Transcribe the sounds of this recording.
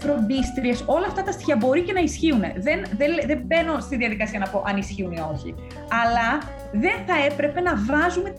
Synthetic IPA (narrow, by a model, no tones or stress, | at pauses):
fɾo̞nd̪ist̪ɾieso̞lɐːft̪ɐt̪ɐst̪i̥çɐbo̞ɾice̞nɐisçiune̞̰ðe̞nðeðembe̞no̞st̪inðiɐðikɐsiɐnɐpo̞ʔɐnisçiunio̞çḭ | ɐlɐ | ðe̞nθɐe̞pɾe̞pe̞nɐvɐzume̞